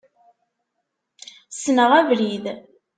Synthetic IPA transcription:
snəʁævlið

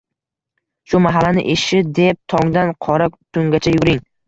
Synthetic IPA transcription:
ʃʊmaɦalanɪ̰ʔeʃɪd̪e̞p̚t̪ʰɒŋd̪anqʰɒɾat̪ʰʊŋɡʲat͡ʃʰajʊɾɪŋ

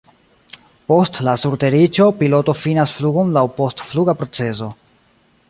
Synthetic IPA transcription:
po̞stlasuɾte̞ɾit͡ʃo̞pilo̞to̞finasfluɡo̞nlawpo̞stfluɡapɾo̞t͡se̞s̬o̞

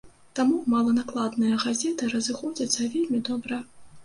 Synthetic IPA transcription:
t̪amumalˠɐnaklˠad̪nɨjɐɣazʲɛt̪ɨɾɐzɨxɔd͡zʲɐt̪sːɐvʲelʲmʲid̪ɔbɾɐ

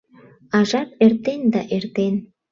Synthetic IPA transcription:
ɑʒɑp̚ert̪end̪ɑʔert̪en

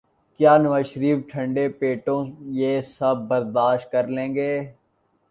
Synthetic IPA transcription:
kjaːnəʋaːʃɾiːfʈʰə̃ɳɖepeːʈõjeːsɐb̚ːəɾd̪aːʃʈ̚kəɾlẽːŋɡeː

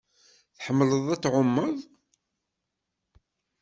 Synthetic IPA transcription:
θħəmːləðˤæt͡sːʕʊmːəðˤ

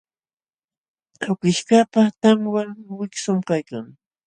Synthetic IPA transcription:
ʊkɪʃkapaχt̪aŋwaŋwɪksʊmkajkaŋ

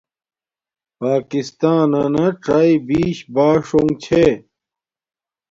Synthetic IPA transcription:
paːkist̪aːnɐnɐʈ͡ʂaːibiːɕbaːʂoŋɡt͡ɕʰe

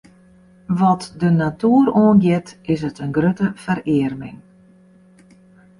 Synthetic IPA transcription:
ʋɔtdənatuəɾoːnɡjɪtɪsətənɡrøtəfəɾɪərmɪ̰ŋ

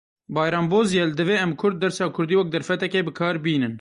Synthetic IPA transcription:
bɑːjɾɑːmboːzjeld̪ɨveːɛmkʰʊɾd̪̚ːɛɾsɑːkʰʊɾd̪iːwɐk̚d̪ɛɾfɛt̪ɛkeːbɨkʰɑːɾbiːnɨn

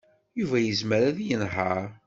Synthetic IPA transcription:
juvæjəzməɾæðjənɦəɾ

